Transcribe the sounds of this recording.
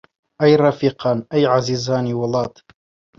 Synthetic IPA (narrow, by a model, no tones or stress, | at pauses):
ʔajɾˤɑfiːqɑːnʔajʕaziːzaːniwɑlˤɑːt̪